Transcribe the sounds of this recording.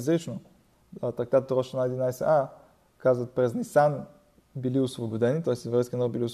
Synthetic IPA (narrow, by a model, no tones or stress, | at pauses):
zʲɾʲit͡ʃno | at̪aɡ̚d̪at̪ɾɔʃənad̪ʲɪnajsʲɐ̰ʔa | kazvət̪pɾʲɛzʲnʲisan | bʲɪlʲiʊsvobʊd̪ʲɛnʲit̪ojɪsʲt̪ʲjɛvɾʲɛjskʲɪnɔbʲɪlʲiʊs